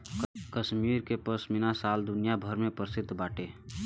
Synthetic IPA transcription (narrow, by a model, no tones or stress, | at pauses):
kəʃmiːɾkepəsmɪnasaːld̪ʊnijabʱəɾmẽpəɾsɪd̪ʱːbaːʈeː